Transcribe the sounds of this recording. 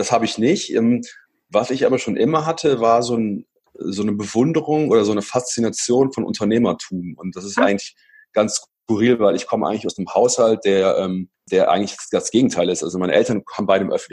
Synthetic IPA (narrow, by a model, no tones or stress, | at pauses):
d̥ashaːbəɪçnɪçtʔɛ̰m | vasɪçʔaːbɐʃoːnʔɪmɐɦatʰəvaːɐzoːn | zoːnəbəvʊndəʁʊŋʔoːɾɐzoːnəfast͡sinat͡sjoːnfɔnʔʊ̰ntʰɐneːmɐtʰuːmʊnt̚d̥as̬ɪstʔa̰ɪɡŋ̩tlɪç | ɡ̥anss | kuʁiːlvaɪlɪçkʰɔməʔaɪŋ̩lɪçaʊsdemhaʊshalt̚d̥eːɐʔɛːm | d̥eːɐʔa̰ɡŋ̩tlɪçd̥asɡ̥eːɡŋ̩tʰaɪlɪstʔa̰lzomaɪnəʔɛ̰ltɐnhaːbm̩baɪnəmʔœ̰fn̩t